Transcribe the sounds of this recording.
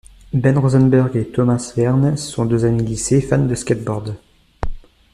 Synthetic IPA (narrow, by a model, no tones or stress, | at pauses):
bɛnʁozɛnbɛʁɡʲet̪ɔmasvɛʁnsɔ̃d̪øzamilisefand̪əskʲɛt̪̚bɔʁd̪